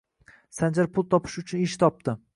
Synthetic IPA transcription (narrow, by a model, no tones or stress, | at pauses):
sand͡ʒaɾpʰʊlˠt̪ʰɒpʰɪ̥ʃʊt͡ʃʰʊnɪʃt̪ʰɒp̚t̪ɪ